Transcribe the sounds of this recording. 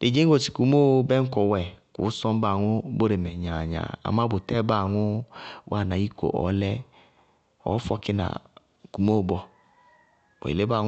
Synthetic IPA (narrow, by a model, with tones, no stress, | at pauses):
de˨d͡ʒe˦ŋ˦ɡo˦˨t͡ʃi̥˨ku˨˦mo˦bɛ˦ŋ̩˦ko˨wɛ˨kṵ˨˦sɔ˦m˦ba˦˨ŋu˦bo˦ɾe˨mɛ˨ɲa˨ɲa̰˨a̰˨ma˦bo˨tɛ˦ba˦˨ŋu˦wʔa˦˨na˨i˦ko̰˨ʔɔ̰˨˦lɛ˦ | ɔ̰˨˦fɔ˧ki˦na̰˨ | ku˨mo˦˨bɔ˧ | o̰˨ḛ˨le˦ba˦˨ŋ˦